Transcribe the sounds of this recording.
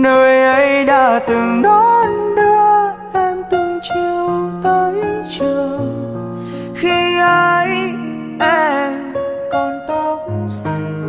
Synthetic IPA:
nəː˧˩jʔə˧˦jɗa̰ː˧˩t̪ɨ˨˩ŋɗɔ˨˦nɗɨ˧əʔɛ˧mt̪ɨ˨˧˩ŋt͡ɕi˧əəwwt̪əː˧˦jt͡ɕɨ˨˧əw | xi˧ʔə˧j | ʔɛ˧mkɔ˧nt̪o˧ŋ͡msa˧˩

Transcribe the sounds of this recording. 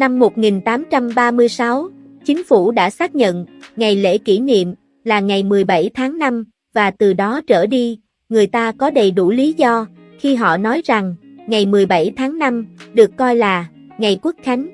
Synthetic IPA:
na˧mːo˨˩t̚ŋi˨˩nt̪aː˨˦mt͡ɕa˧mɓaː˧mɨ˧əjsa˨˦w | t͡ɕï˨˦ŋ̟fu˧˩ɗa̰ː˧˥saː˦˥k̚ɲə̰˧˨nŋa˨˩jlḛ˧˥ki˧˩nḭ˧˨əm | laː˨˩ŋa˨˩jmɨ˨˩əjɓa˧˩jt̪ʰaː˨˦ŋna˧m | vaː˨˩t̪ɨ˨˩ɗɔ˨˦t͡ɕəː˧˩ɗi˧ | ŋɨ˨˩əjt̪aː˧kɔ˨˦ɗə˨˩jɗu˧˩li˨˦zɔ˧ | xi˧ɦɔ̰˧˨nɔ˨˦jza˨˩ŋŋa˨˩jmɨ˨˩əjɓa˧˩jt̪ʰaː˨˦ŋna˧mɗɨ˨˩əkːɔ˧jlaː˨˩ | ŋa˨˩jku˦˥ək̚xa˨˦jŋ̟

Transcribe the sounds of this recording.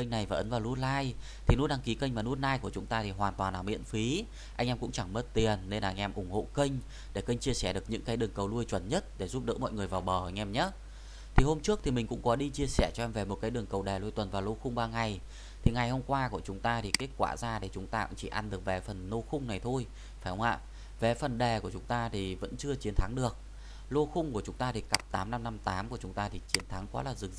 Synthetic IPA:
kə˧jŋ̟na˨˩jvaː˨ʔə˨˦nvaː˨˩wlu˧˥t̚laː˧j | t̪ʰi˨˩nu˨˦˥tɗa˧ŋki˨˦kə˧ŋ̟maː˨˩nu˦˥t̚naː˧jku˧˩ət͡ɕʊ˨˦ŋ͡mt̪aː˧t̪ʰi˨˩ɦwaː˨˩nt̪waː˨˩nlaː˨˩mḭ˧˨ənfi˨˦ | ʔa˧jŋ̟ʔɛː˧mkʊ̰˧˥ŋ͡mt͡ɕa˧˩ŋmə˦˥t̚t̪i˨˩ənːe˧nlaː˨˧ŋ̟ʔɛ˧mʔʊ˧˩ŋ͡mho̰˧˨ki˧jŋ̟ | ɗe˧˩kə˧jŋ̟t͡ɕi˧əsɛ˧˩ɗɨ˨˩ək̚ɲɨ̰˧˥ŋkaː˨˦jɗɨ˨˩əŋkə˨˩wlu˧əjt͡ɕwə˧˩nɲə˦˥t̚ɗe˧˩zu˦˥p̚ɗɨ̰˧˥mɔ̰˧˨jŋɨ˨˩əjvaː˨˩wɓəː˧˩˧ŋ̟ʔɛ˧mɲaː˨˦˥ | t̪ʰi˨˩ho˧mt͡ɕɨ˦˥əkt̪ʰi˨˩mï˨˩ŋ̟kʊ̰˧˥ŋ͡mkɔ˨˦ɗi˧t͡ɕi˧əsɛ˧˩t͡ɕɔ˧ʔɛ˧mve˨˩mo˨˩t̚kaː˨˦ɗɨ˨˩əŋkə˨˩wɗa˨˩lu˧jt̪wə˨˩nvaː˨˩wlo˧xʊ˧ŋ͡mɓaː˧ŋa˨˩j | t̪ʰi˨˩ŋa˨˩jho˧mkwaː˧ku˧˩ət͡ɕʊ˨˦ŋ͡mt̪aː˧t̪ʰi˨˩ke˦˥t̚kwa̰ː˧˩zaː˧ɗe˧˩t͡ɕʊ˨˦ŋ͡mt̪a̰ː˧kt͡ɕḭ˧˩ʔa˧nɗɨ˨˩ək̚vɛ˨˩fə˨˩nlo˧xʊ˧ŋ͡mna˨˩jt̪ʰo˧j | faː˧˩jhə˨˦ŋ͡mʔa̰ː˧˨ | vɛ˨˩fə˨˩nɗɛ˨˩ku˧˩ət͡ɕʊ˨˦ŋ͡mt̪aː˧t̪ʰi˨˩və̰˧˥nt͡ɕɨ˧ət͡ɕi˨˦ənt̪ʰa˨˦ŋɗɨ˨˩ək̚ | lo˧xʊ˧ŋ͡mku˧˩ət͡ɕʊ˨˦ŋ͡mt̪aː˧t̪ʰi˨˩ka˨˩p̚t̪aː˨˦mna˧mna˧mt̪aː˨˦mku˧˩ət͡ɕʊ˨˦ŋ͡mt̪aː˧t̪ʰi˨˩t͡ɕi˨˦ənt̪ʰa˨˦ŋkɔ˨˦laː˨˩zɨ˨˩˧

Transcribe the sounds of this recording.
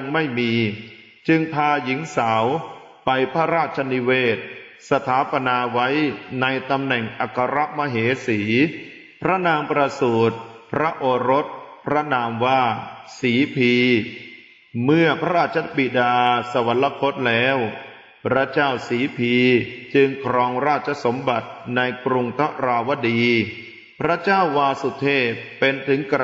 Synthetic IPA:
ŋma˥˩jmiː˧ | t͡ɕɯ˧ŋpʰaː˧ji˨˩˦ŋsa˩˦w | pa˧jpʰa˦˥ɾaː˥˩t̪̚t͡ɕʰa˧ni˦˧weː˥˩t̪̚ | sa˧t̪ʰaː˩˦pa˧naː˧wa˦˥jna˧jt̪a˧mnɛ˨˩ŋʔa˨˩kʰːa˧ɾa˦˥ʔma˧ɦeː˩˦siː˩˦ | pʰɾa˦˥naː˧mpɾa˧suː˨˩t̪̚pʰɾa˦˥ʔoː˧ɾo˦˥t̪̚pʰɾa˦˥naː˧mwaː˥˩siː˩˦pʰiː˧ | mɯ˥˩ɐpʰɾa˦ɾaː˥˩t̪̚t͡ɕʰːa˦˥bi˨˩daː˧sa˧wa˩˦nla˧˥kʰo˦˥t̪̚lɛː˦˥w | pʰɾa˦˥t͡ɕaː˥˩wsiː˩˦pʰiː˧t͡ɕɯ˧ŋkʰɾɔː˧ŋɾaː˥˩t̪̚t͡ɕʰːa˧˦so˩˦mba˨˩t̪̚na˧jkɾu˧ŋt̪ʰa˦˥ɾaː˧wa˦˥diː˧ | pʰɾa˦˥t͡ɕaː˥˩wːaː˧su˨˩t̪ʰeː˥˩e˧nt̪ʰɯ˩˦ŋk

